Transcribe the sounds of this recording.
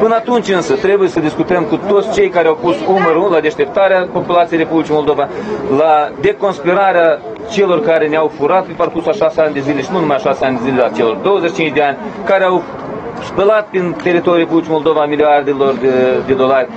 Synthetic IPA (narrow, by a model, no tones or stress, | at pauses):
pɨnəat̪unt͡ʃʲɨnsət̪ɾe̞bujesəd̪iskut̪əmkut̪o̞t̪sʲt͡ʃe̞jkaɾeawpusuməɾulad̪e̞ʃt̪e̞p̚t̪aɾeapo̞pulat̪ijejrepublʲit͡ʃijmo̞lˠd̪o̞valad̪e̞ko̞nspiɾaɾea | t͡ʃe̞lo̞rkaɾe̞neawfuɾat̪̚peparkursaʃaseanʲd̪e̞zile̞ʃinunumajaʃaseanʲd̪ezilʲeat͡ʃe̞lo̞rd̪o̞wəzeʃi̥t͡ʃint͡ʃʲd̪eanʲkaɾeaw | spəlat̪̚pint̪e̞ɾit̪o̞ɾʲjuɾre̞publit͡ʃimo̞lˠd̪o̞vamiliard̪elo̞rd̪ed̪e̞d̪o̞larʲ